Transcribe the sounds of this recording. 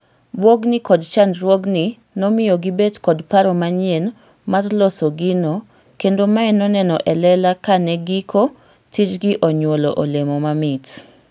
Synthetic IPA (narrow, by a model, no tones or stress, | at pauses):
bwoɡnɪkɔdt͡ʃandɾwoɡni | nɔmɪjoɡibetkɔdpaɾɔmaɲen | marlɔsoɡino | kendomaɛnɔnɛnɔʔɛlɛlakanɛɡikʰo | tit͡ʃɡiʔoɲwoloʔolemɔmamɪt